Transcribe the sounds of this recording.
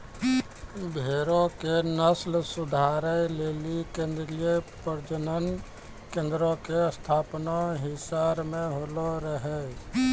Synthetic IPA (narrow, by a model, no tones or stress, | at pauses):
bʱeːɾõkenəslsʊd̪ʱaːɾəleːlikẽnd̪ɾiepəɾd͡ʒənən | kẽːnd̪ɾokest̪ʰaːpnaɦɪsaɾmẽɦoːloɾəɦɛ